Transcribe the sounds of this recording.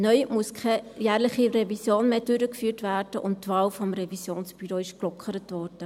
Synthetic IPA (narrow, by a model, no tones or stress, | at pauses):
nœʏmuəskʰɛjæːɾlɪχiɾɛvisjoːnmeːd̥ʏɾəkfyːtvæːrd̥əʔʊ̰nttvɑːlfɔmɾɛvisjoːnsb̥yɾoɪʃklɔkʰχəɾətvɔɾd̥ə